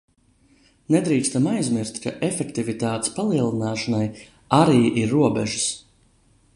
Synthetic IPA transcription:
nɛd̪ɾiːkst̪amajzmiɾst̪kaʔefɛkt̪ivit̪aːt̪e̥spalˠiɛlˠinaːʃanaj | aɾiːʔiɾːuɔbɛʒu̥s

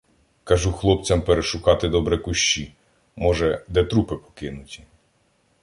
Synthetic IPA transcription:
kɐʒuxlˠɔpt͡sʲɐmpeɾeʃʊkɑt̪ɪd̪ɔbɾɛkʊʃt͡ʃi | mɔʒɛd̪ɛt̪ɾupɪpɔ̥kɪnʊtʲi̥

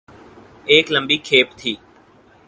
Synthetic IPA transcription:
eːkləmbiːkʰeːpt̪ʰiː

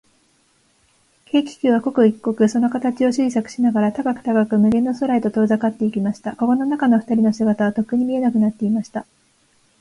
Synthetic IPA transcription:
ke̞ːkʲi̥kʲɨːβako̞kɯ̟ikːo̞kɯ̟so̞no̞kat̪at͡ɕio̞ɕiisakɯ̟̥ɕinaɡaɾat̪akakɯ̟̥t̪akakɯ̟mɯ̟ɡẽ̞nːo̞so̞ɾait̪o̞t̪o̞ːzakat̪ːe̞ikʲimaɕi̥t̪ako̞ko̞no̞nakano̞ɸɯ̟̥t̪aɾʲino̞sɨɡat̪aβ̞at̪o̞kːɯ̟ɲ̟imʲie̞nakɯ̟nat̪ːe̞imaɕi̥t̪a

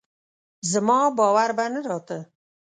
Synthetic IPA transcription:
zəmɑbɑwaɾbanəɾɑt̪ə

